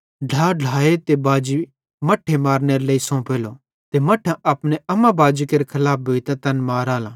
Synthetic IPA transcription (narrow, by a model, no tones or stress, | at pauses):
ɖ̤ʱaːɖ̤ʱaːet̪ebaːd͡ʒi | mɐʈʰːemaːɾneɾeleːisõːpeːlo | t̪emɐʈʰãʔɐpneɐmãbaːd͡ʒikeɾekʰɐlaːp̚bʱoːit̪ɐt̪ɐnmaːɾaːla